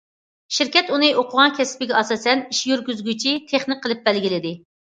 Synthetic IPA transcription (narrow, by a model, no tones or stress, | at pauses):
ʃiɾkʲɛt̪unɨʔoqʰʊʁɑnkʲʰɛsɪ̥pɪɡʲɛɑsɑːsɛniʃjyɾɡʲyzɡʲyt͡ʃʰit̪ʰeχnɨqʰːəlˠɨp̚bɛlɡʲilɪd̪ɪ